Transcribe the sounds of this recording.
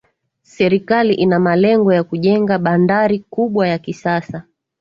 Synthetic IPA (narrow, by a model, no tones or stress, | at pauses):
sɛɾikaliʔinamalɛŋɡɔjakuʄɛŋɡaɓandaɾikuɓwajakisasa